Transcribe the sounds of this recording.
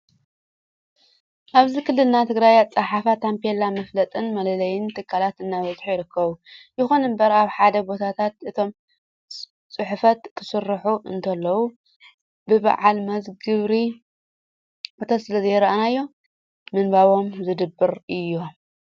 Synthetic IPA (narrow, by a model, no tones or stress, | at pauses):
ʔaβzikʰɨlːɨlnat̪ʰɨɡɾajat͡sʼɨħafat̪ʰampʰelamɐflɐt̪ʼɨnmɐlɐlɐjɪnt̪ʰɨkʰːalat̪ɨnːaβɐzħujɪɾɨkːɐβujɪxonɨmbɐɾaβħad̪ɐbo̞t̪ʰat̪ʰat̪̚ɨt̪ʰo̞m | t͡sʼɨħʊfɐt̪kʰɨ̥sɨrːħuɨ̰nt̪ʰɐlːɐwu | bɨβa̰ʕalmɐzɡɨβɾi | ot̪ʰɐt̪sɨlɐzɐjɛɾɐʔanajːo̞ | mɨnbaβo̞mzɨd̪ɨbːɨɾɨjːo̞